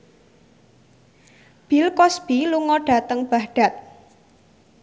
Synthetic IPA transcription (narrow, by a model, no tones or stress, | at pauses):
b̥ilkɔsb̥iluŋɔɖ̥a̤t̪əŋb̥ahɖ̥a̤t̪̚